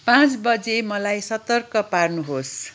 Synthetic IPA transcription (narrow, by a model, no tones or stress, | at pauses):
pãt͡sbʌd͡zemʌlajsʌt̪ʌrkʌparnuɦos